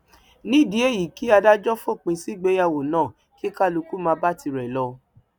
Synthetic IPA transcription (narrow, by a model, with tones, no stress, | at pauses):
nĩ˦˨di˨˦e˦˨ji˨ki˨˦a˧da˦d͡ʒɔ˦fo˦˨k͡pĩ˧si˦ɡ͡be˨˦ja˦˨wo˨nãː˦˨ | ki˦ka˦˨lu˧ku˦mãː˧˦ba˦ti˧ɾɛ˨lɔ˧